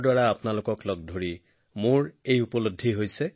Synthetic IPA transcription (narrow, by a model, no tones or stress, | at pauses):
dwaɹaːpnalʊkɔklɔɡ̚dʱoɹi | mʊɹejupɔlodʱːiɦojsɛ